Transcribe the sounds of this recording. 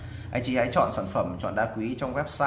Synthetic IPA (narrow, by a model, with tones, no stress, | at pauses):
ʔaː˧jt͡ɕi˧ha̰˧˥jt͡ɕɔ̰˧˨nsaː˧˩nfə˧˩mt͡ɕɔ̰˧˨nɗaː˧kwi˨˦t͡ɕɔ˧wŋ͡mwɛ˦˥p̚saː˧